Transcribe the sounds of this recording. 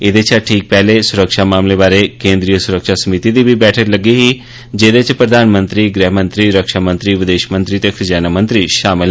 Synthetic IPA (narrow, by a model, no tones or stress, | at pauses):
ɪd̪et͡ʃʰaʈʰiːk̚pɛːlesʊɾəkʃaːmaːmlebaːɾekẽːnd̪ɾijəsʊɾəkʃasəmit̪id̪iːbʱibɛːʈʰəɾləɡiɦiː | d͡ʒeːd̪et͡ʃpɾəd̪ʱaːnmə̃nt̪ɾiːɡɾiɦmə̃nt̪ɾiːɾəkʃamə̃nt̪ɾiːʋɪd̪eːʃmə̃nt̪ɾiːt̪ekʰd͡ʒaːnamə̃nt̪ɾiːʃaːmɪl